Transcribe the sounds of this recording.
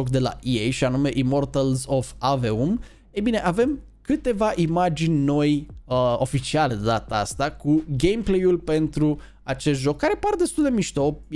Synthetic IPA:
okd̪e̞la̰jejʃianume̞ʔimo̞rt̪əlzo̞faveum | ejbine̞ʔave̞m | kɨt̪e̞vaʔimad͡ʒinʲno̞jəo̞fit͡ʃialed̪ed̪at̪aast̪akuɡejmplejulpe̞nt̪ɾu | at͡ʃest̪ʒo̞kːaɾe̞pard̪est̪uld̪e̞miʃt̪o̞

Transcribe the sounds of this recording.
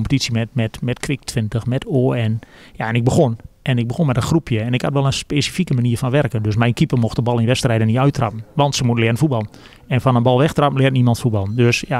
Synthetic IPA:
ompə̥tisimɛtmɛtmɛtkʰʋɪk̚tʰʋɪntəxmɛtʰoːɛnjaɛnɪɡ̚bəxonɛnɪk̚bəxonmɛtənxrupʰjəɛnɪkhatʋɛlˠənspeːsifikəmaniərfɔnʋɛrkəndøsmɛjnkipərmoxtəbɑlˠɪnʋɛtstrɛjdəniœɥtrɑpən̩ʋɑntsəmutəlɪənənfut̚bɑlˠən | ɛnfɔnənbɑlˠʋɛxtrɑpən̩lɪəntnimɑntfut̚bɑlˠəndøsja

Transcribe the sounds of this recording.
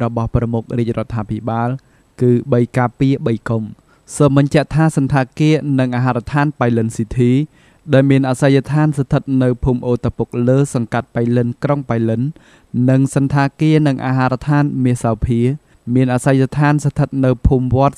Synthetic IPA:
rɔɓɑhprɑmuk̚riəc̚rŏət̪ʰːaːpʰiɓaːl | kɨːɓəjkaːpiəɓəjkom | soːmɓɑɲt͡ɕɛ̆əʔt̪ʰaːsɑnt̪ʰaːkiənɨŋʔaːɦaːɾt̪ʰaːnpajlɨnsiːt̪ʰiː | ɗaɛlmiənʔasajjat̪ʰaːnsat̪ʰɨt̪̚nɨwpʰuːmʔoːt̪ʰːapuk̚ləːsɑŋkat̪̚pajlɨnkroŋpajlɨn | nɨŋsɑnt̪ʰaːkiənɨŋʔa̰ːɦaːɾt̪ʰaːnmiəhsawpʰiə | miənʔasajjat̪ʰaːnsat̪ʰət̪̚nɨwpʰuːmʋŏət̪̚

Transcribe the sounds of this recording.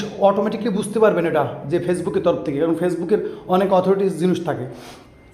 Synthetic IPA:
ɔʈomɛʈiklibud͡ʑʱt̪epaɾbeneʈad͡ʑefesbukeɾt̪ɔɾop̚t̪ʰekekaɾonfʰesbukeɾɔnekɔt̪ʰoɾiʈid͡ʑiniʃt̪ʰake

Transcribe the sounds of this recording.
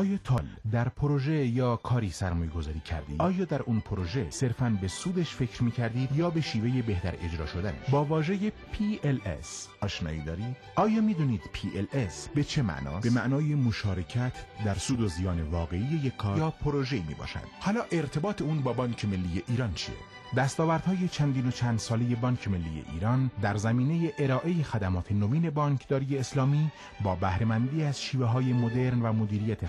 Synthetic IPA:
ɒːjɒːt̪ʰɒːld̪æɾpʰoɾoʒejɒːkʰɒːɾiːsæɾmɔːjeɡozɒːɾiːcʰæ̰ɾd̪ḭːɒːjɒːd̪æɾunpʰoɾoʒese̞ɾfænbe̞suːd̪eʃfe̞cʰɾmiːcʰæɾd̪iːd̪jɒːbe̞ʃiːve̞jebe̞hd̪æɾe̞d͡ʒɾɒːʃo̞d̪ænḛʃbɒːvɒːʒejepʰiːelḛsɒːʃnɒ̰ːiːd̪ɒːɾiːd̪ɒːjɒːmiːd̪uːniːd̪pʰiːʔelesbe̞t͡ʃʰe̞mæ̰ʔnɒ̰ːsbe̞mæʔnɒːjemoʃɒːɾe̞cʰæt̪ʰd̪æɾsuːd̪ozijɒːne̞vɒːɣe̞ijejekʰːɒːɾjɒːpʰoɾoʒeimḭːbɒ̰ːʃæ̰nd̪̥hɒːlɒːʔe̞ɾt̪ʰe̞bɒːt̪ʰe̞uːnbɒːbɒːncʰe̞me̞lːiːjeʔiːɾɒːnt͡ʃʰḭḛ | d̪æst̪ɒːvæɾd̪̥hɒːje̞t͡ʃʰænd̪iːno̞t͡ʃʰænd̪sɒːle̞je̞bɒːncʰeme̞lːiːjḛʔḭːɾɒːnd̪æɾzæmiːne̞jeʔeɾɒːʔe̞je̞xæd̪æmɒːt̪ʰe̞noviːne̞bɒːŋkʰd̪ɒːɾije̞ːslɒːmiː | bɒːbæhɾe̞mænd̪iːæzʃiːveɦɒːje̞mod̪e̞ɾnvæmo̞d̪iːɾijæt̪ʰe

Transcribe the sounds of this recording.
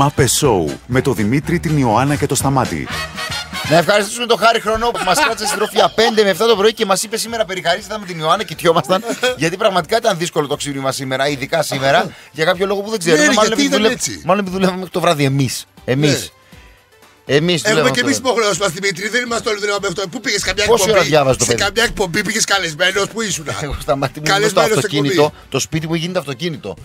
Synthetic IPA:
ɐpeso̞ṵme̞t̪o̞ðimit̪ɾit̪inioɐnɐce̞t̪o̞st̪ɐmɐt̪ḭ | nɐefxɐɾist̪isume̞t̪o̞xɐɾixɾo̞nopumɐsiɐt̪sesit̪ɾofiʝɐpe̞nd̪emeft̪ɐt̪o̞pɾoicemɐsipe̞sime̞ɾɐpe̞ɾixɐɾist̪eθɐnmt̪inioɐnɐcit̪ço̞mɐst̪ɐnʝɐt̪ipɾɐɣmɐt̪ikɐit̪ɐnðisko̞lo̞t̪oksiðimɐsime̞ɾɐiðikɐsime̞ɾɐʝɐkɐpço̞lo̞ɣopuðe̞ɡzeɾmɐloneit̪leet͡sḭmɐlonepiðulevɐmexɾi̥t̪o̞vɾɐðie̞mise̞mis | emisðulevɐemisipoxneos̬umɐst̪iimit̪ɾiðenimɐst̪ooliðulevɐmexit̪opupiʝeskɐmɲɐepossioɾɐðʝɐvɐzet̪opeðkɐmɲɐek̚po̞mbipiʝeskɐlezmenospuisunɐ̰eɣost̪ɐmɐt̪imuɐzst̪ɐto̞cinit̪o̞t̪o̞spit̪̬imueçʝinet̪ɐft̪o̞cinit̪o̞̰

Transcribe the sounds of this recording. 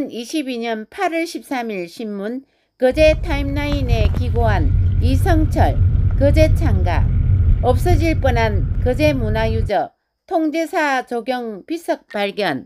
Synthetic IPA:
niɕʰibiɲʌnpʰaɾʌɭɕʰip̚s͈amiɭɕʰimːun | kɯd͡ʑetʰaimnaine̞kiɡoɦanisʰʌŋt͡ɕʰʌɭkɯd͡ʑe̞t͡ɕʰaŋɡa̰ʌp̚s͈ʌd͡ʑiɭp͈ʌnankɯd͡ʑemunajud͡ʑʌ | tʰoŋd͡ʑe̞sʰat͡ɕoɡjʌŋpisʰʌk̚p͈aɭɡjʌn

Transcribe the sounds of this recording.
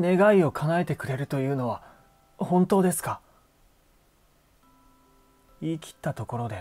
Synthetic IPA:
ne̞ɡaio̞kʰaŋae̞t̪e̞kɯ̟ɾe̞ɾɯ̟t̪o̞jɯ̟ːno̞β̞a | hõ̞nt̪o̞ːd̪e̞sɨ̥ka | iːkʲi̥t̪ːat̪o̞ko̞ɾo̞d̪e̞

